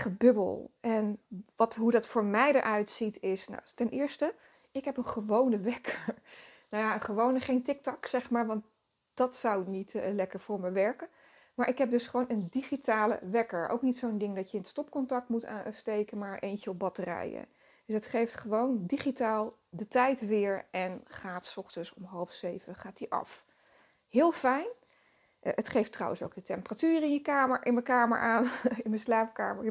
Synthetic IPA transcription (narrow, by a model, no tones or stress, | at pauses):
χəbɵbə̰lˠɛnʋɑtɦudɑtfʊːɹmɛjdə̰ɹʔœɥtsitʰɪsna̰tɛnʔɪːɹstə | ɪkɦɛpənχəʋownəʋɛkʰəɹnawjaənχəʋownəχejntɪk̚tɔksɛχmaːɹʋɑnt̚ | d̥ɑtsawnitlɛkəɹvʊːɹməʋɛɹkə | maːɹʔɪkɦɛp̚dɵsχəʋownəndiχitaːlə̰ʋɛkəɹʔo̰wknitsowndɪŋdɑtjəɪnstɔp̚kɔntɑk̚tmuta̰stejkənmaːɹʔejnt͡ʃəɔb̚bɑtərɛ̰jə̰ | d̥əsətχejftχəʋowndiχitaːlˠdətɛjtʋɪːɹʔɛnχaːtsɔχtənsɔmɦɑlˠfsejvəχaːtiʔɑ̰f | hɪːlˠfɛjn | ətχejftrɑ̰wʔə̃nso̰wɡdətɛmpəratyːrəɪnjəkaːməʔɪnməkaːmə̰ɹʔaːnɪnmənslaːp̚ka̰ːməɹ